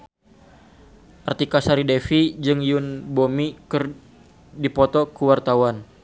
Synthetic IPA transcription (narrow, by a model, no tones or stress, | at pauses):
ʔart̪ikasaɾidɛfid͡ʒɨŋjunbomikɨr | dipɔt̪ɔkuwart̪awan